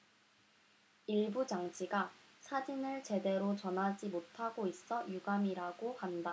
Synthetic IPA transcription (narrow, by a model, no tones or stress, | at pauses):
iɭbut͡ɕaŋt͡ɕʰiɡa | sʰad͡ʑinɯɭt͡ɕe̞de̞ɾot͡ɕʌnɦad͡ʑimotʰaɡois͈ʌjuɡamiɾaɡohanda